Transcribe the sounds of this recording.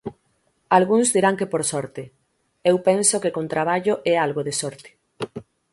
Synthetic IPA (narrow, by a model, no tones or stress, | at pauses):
alɣuŋzðiɾaŋkepoɾsɔɾt̪ɪ | ewpɛnsokekõnt̪ɾaβ̞aʎoʔɛalɣoðesɔɾt̪ɪ̥